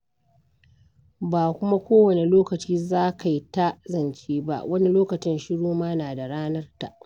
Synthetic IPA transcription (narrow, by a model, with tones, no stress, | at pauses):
baː˨kʷʊ˦ma˦kʷoː˦wɐ˨ne˨loː˦kɐ˨t͡ʃiː˦zaː˦ka˨ji˦ta˦zɐ˨nt͡ʃeː˦ba̰˦ʔwɐ˦ni˦loː˦kɐ˨t͡ʃɪ˦nʃɪ˦ɽoː˦maː˦naː˨da˨ɽaː˦nɐ˦rta̰˨ʔ